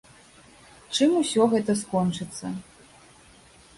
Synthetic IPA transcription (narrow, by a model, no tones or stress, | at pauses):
t͡ʂɨmusʲɔɣɛt̪ɐskɔnt͡ʂɨt̪sːɐ̰